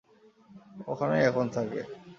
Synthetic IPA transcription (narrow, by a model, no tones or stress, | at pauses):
o̰kʰaneɛkʰont̪ʰakḛ